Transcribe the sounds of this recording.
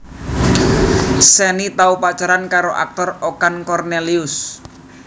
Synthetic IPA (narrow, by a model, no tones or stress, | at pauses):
sɛnit̪aupat͡ʃaɾankaɾoʔa̰k̚t̪ɔrokankɔrneliʊs